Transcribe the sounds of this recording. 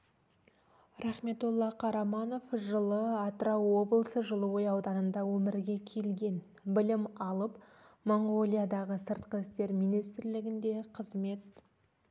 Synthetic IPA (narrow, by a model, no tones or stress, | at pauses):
ɾɑχme̞t̪ulˠːɑqʰɑɾɑmɑno̞fʒəlˠəɑt̪ɾɑwo̞blˠsəʒəlˠəwojɑwd̪ɑnənd̪ɑwɵmɪɾɡʲe̞kʲʰe̞lɡʲe̞n | bɪlɪmɑlˠəp | moŋɡolʲˠijad̪ɑʁəsəɾt̪qəɪst̪e̞ɾmijnijst̪ɾlɪɡʲɪnd̪e̞qʰəzme̞t̪̚